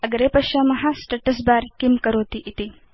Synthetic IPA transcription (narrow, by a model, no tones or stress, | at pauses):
ɐɡɾeːpɐʃaːmɐɦɐsʈɐʈɐs̬baːɾkimkɐɾoːt̪iʔit̪i